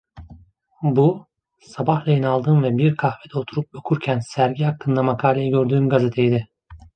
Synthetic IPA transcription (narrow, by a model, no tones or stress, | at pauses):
bu | sabahlʲˠajinalˠd̪ɯːnvɛbiɾkʰahved̪ɛot̪ʰuɾup̚okʰuɾcʰænsæɾɟihakʰːɯnd̪amakʰaːlʲejiɟø̞ɾd̪yːmɡazet̪ʰejid̪ɪ